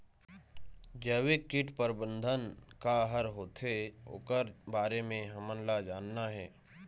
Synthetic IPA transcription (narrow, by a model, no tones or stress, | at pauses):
d͡ʒəːwekɪʈpəɾbə̃nd̪ʱənkaɦəɾɦoːt̪ʰeo̰ːkəɾbaːɾemẽɦəmənlad͡ʒaːnːaɦɛː